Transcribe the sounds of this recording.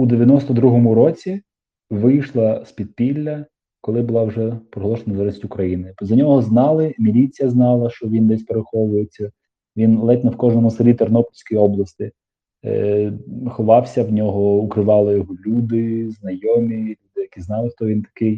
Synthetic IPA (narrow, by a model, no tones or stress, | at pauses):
ud̪eʋʲjɐnɔst̪ɔd̪ɾuɦɔmʊɾɔt͡sʲi | ʋɪjʃlˠɐspʲid̪̚pʲilʲːɐ | kɔlˠɪbʊlˠɑwʐɛpɾɔɦlˠɔʃɔnɐzɛɾʲɪsʲtʲʊkɾɐjinɪzɐnʲɔɦɔznɑlˠɪmʲilʲit͡sʲijɐznɑlˠɐʃt͡ʃɔʋʲind̪ɛsʲpeɾexɔʋʊjet͡sʲːɐ | ʋʲinlˠɛt̪ʲnɔwkɔʒnɔmʊsɐɾʲit̪ɐrnɔplʲsʲkɔjɔblˠɐst̪ɪ | xɔʋɑwsʲɐwnʲɔɦɔʊkɾɪʋɑlˠɪjɔɦɔlʲud̪ɪznɐjɔmʲilʲud̪ɪjɐkʲiznɑlˠɪxt̪ɔʋʲint̪ɐ̥kɪj